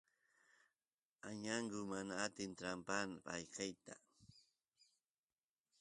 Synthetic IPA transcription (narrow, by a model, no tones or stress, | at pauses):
aɲaɴɢʊmanaːt̪ɪnt̪ɾampanapa̰jkʰajt̪a